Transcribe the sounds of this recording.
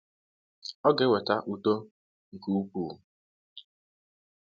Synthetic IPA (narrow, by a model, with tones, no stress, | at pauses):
ɔ˦ɡe˦we˨ta˦ʔu˨to˦ | ŋ̩˨ku˦u˦puː˨